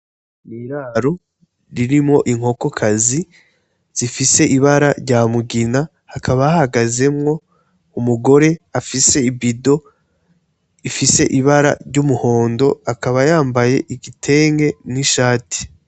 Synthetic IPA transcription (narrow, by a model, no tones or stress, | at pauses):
niɾaːɾo̞ | ɾiɾimŋo̞ʔiŋ̥ho̞ko̞kʰazi | z̥ifise̞ʔiβaɾaɾɟaːmuɡina | hakʰaβajahaɡaze̞mŋo̞ | umuɡo̞ɾe̞afise̞ibido̞ | ifise̞ʔiβaɾa̰ɾɟumuho̞ːndo̞akaβajaːmbaje̞ʔiɡitʰe̞ːŋɡe̞niʃaːti̥